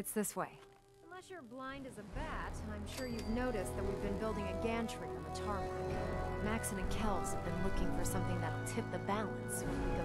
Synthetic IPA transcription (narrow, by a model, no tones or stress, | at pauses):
ɨtsðɪsweɪ | ə̃nlɛsjə˞blãɪ̃ndɨzɨbætãɪ̃mʃʊɹjɨvnoʊɾɨsðɨt̚wivbɨ̃nbɪlˠdɪ̃ŋɨɡæ̃ntʰɹ̥ifɹʌ̃mðətʰɑɹmɨ̃mæksɨ̃nɨ̃nkʰɛlˠz̥hɨvbɨ̃nlʊkɪ̃ŋfə˞sʌ̃mθɪ̃ŋðɨɾl̩ˠtʰɪp̚ðɨbælˠɨ̃nsɨ̃ɨ̃ɡo